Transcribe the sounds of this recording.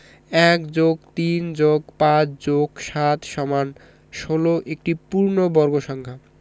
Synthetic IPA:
ɛkd͡ʑoɡt̪ind͡ʑoɡpãt͡ɕd͡ʑokʃat̪ʃɔman | ʃoloʔek̚ʈipuɾnobɔɾɡoʃɔŋkʰa

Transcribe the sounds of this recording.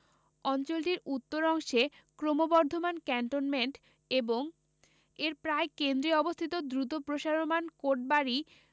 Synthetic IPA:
ɔnt͡ɕolʈiɾut̪ːoɾɔŋʃe | kɾomobɔɾd̪ʱomankɛɳʈonmeɳʈ | eboŋ | eɾpɾaekend̪ɾiɔbost̪ʰit̪od̪ɾut̪̬opɾoʃaɾomankoʈ̚baɾi

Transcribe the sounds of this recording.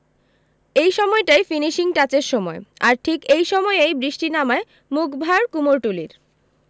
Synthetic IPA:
ejʃɔmɔeʈajfiniʃiŋʈat͡ɕeɾʃɔmɔeaɾʈʰikejʃɔmɔeejbɾiʃʈinamae | mukbʱaɾkumoɾʈuliɾ

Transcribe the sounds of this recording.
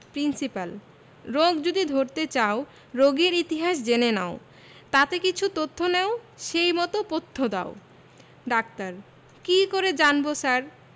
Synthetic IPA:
pɾinsipal | ɾoɡd͡ʑod̪id̪ʱoɾt̪et͡ɕao | ɾoɡeɾit̪iɦaʃ̬d͡ʑenena̰o | t̪at̪ekit͡ɕʰut̪ot̪ʰːoneoʃejmɔt̪opot̪ʰːod̪a̰o | ɖakt̪aɾ | kikoɾed͡ʑanbosaɾ

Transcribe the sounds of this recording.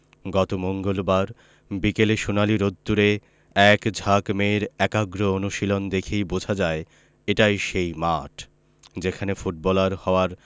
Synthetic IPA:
ɡɔt̪omoŋɡolbaɾ | bikeleʃunaliɾod̪ːuɾe | ɛkd͡ʑʱakmeɾɛkaɡɾoonuʃilond̪ekʰejbod͡ʑʱad͡ʑae | eʈajʃejmaʈʰ | d͡ʑekʰanefuʈ̚bɔlaɾhɔoaɾ

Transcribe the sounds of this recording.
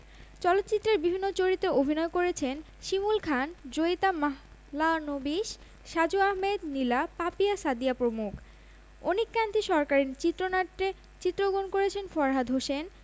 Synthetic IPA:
t͡ɕɔlot̪ːt͡ɕit̪ːɾeɾbibʱinːot͡ɕoɾit̪eobʱinɔekoɾet͡ɕʰen | ʃimulkʰand͡ʑojt̪amaɦ | lanobiʃ | ʃad͡ʑuaɦmed̪nilapapiasad̪iapɾomukʰ | onikːant̪iʃɔɾkaɾiɾt͡ɕit̪ːɾonaʈːe | t͡ɕit̪ːɾoɡonkoɾet͡ɕʰenfɔɾɦad̪ʱɦoʃen

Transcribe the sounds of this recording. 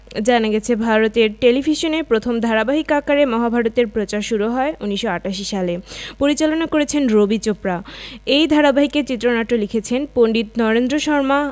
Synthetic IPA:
d͡ʑanaɡɛt͡ɕʰebʱaɾot̪eɾʈelibʱiʃonepɾot̪ʰomd̪ʱaɾabaɦikakaɾemɔɦabʱaɾot̪eɾpɾot͡ɕaɾʃuɾuɦɔeuniʃːoaʈaʃ̬iʃalepoɾit͡ɕalonakoɾet͡ɕʰenɾobit͡ɕopɾaejd̪ʱaɾabaɦiket͡ɕit̪ːɾonaʈːolikʰet͡ɕʰenpoɳɖit̪nɔɾend̪ɾoʃɔɾma

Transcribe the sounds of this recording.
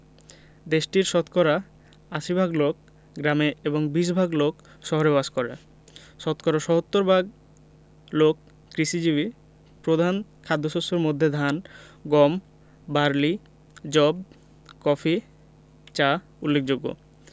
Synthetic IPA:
d̪eʃʈiɾʃɔt̪kɔɾa | aʃibʱaɡlok̚ | ɡɾameeboŋbiʃbʱaɡlok | ʃɔɦoɾebaʃkoɾḛ | ʃɔt̪kɔɾaʃɔɦot̪ːoɾbʱaɡ̚ | lokː | ɾiʃid͡ʑiβi | pɾod̪ʱankʰad̪ʱːoʃosoɾmod̪ʱːed̪ʱanɡɔm | baɾli | d͡ʑɔb | kɔfi | t͡ɕa | ulːek̚d͡ʑoɡːo̰

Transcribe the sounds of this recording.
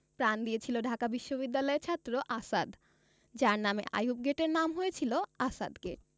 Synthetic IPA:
pɾand̪ijet͡ɕʰiloɖʱakabiʃːobid̪ːalɔeɾt͡ɕʰat̪ːɾoʔasad̪ | d͡ʑaɾnamḛʔa̰jubɡeʈeɾnamɦoet͡ɕʰiloasa̰d̪ɡeʈ̚

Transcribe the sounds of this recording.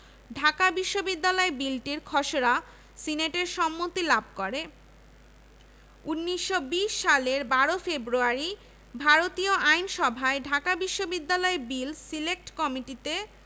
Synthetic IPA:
ɖʱakabiʃːobid̪ːalɔebilʈiɾkʰɔʃoɾa | sineʈeɾʃɔmːot̪ilab̚ʱkoɾe | unːiʃːobiʃːaleɾbaɾofebɾuaɾi | bʱaɾot̪ioʔajnʃɔbʱaeɖʱakabiʃːobid̪ːalɔebilsilek̚ʈkɔmiʈit̪e

